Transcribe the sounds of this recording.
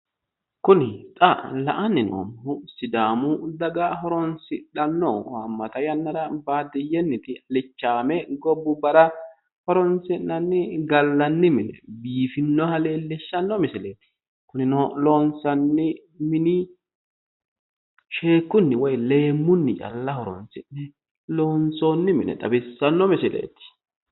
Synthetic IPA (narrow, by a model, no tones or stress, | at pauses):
kʊnɪt̪ʼɐlɐ̰ʔɐnːɪno̰mʊsɪd̪aːmʊd̪ɐɡɐɦɔɾɔnsɪᶑɐnːɔɐmːɐt̪ɐjɐnːɐɾɐbaːd̪ɪjɛnːɪt̪ɪɐlɪt͡ʃːaːmɛɡɔbːʊbɐɾɐ | hɔɾɔnsɪnːɐnːɪɡɐlːɐnːɪmɪnɛ̰biːfɪnːɔhɐleːlɛʃːɐnːɔmɛsɛleːt̪ɪ̥ | kʊnɪnɔloːnsɐnːɪ | mɪnɪ | ʃeːkːʊnːɪwɔjle̞ːmːʊnːɪt͡ʃʼɐ̰lːɐhɔɾɔ̰nsɪnːɛ | loːnsoːnːɪmɪnɛ̰ᶑ̪ɐ̰bɪsːɐnːɔmɛsɪlḛːt̪ɪ̥